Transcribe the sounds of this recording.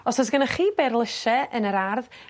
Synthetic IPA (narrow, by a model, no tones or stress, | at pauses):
ɔsɔsɡənaχiːberlˠəʃɛənəɾarð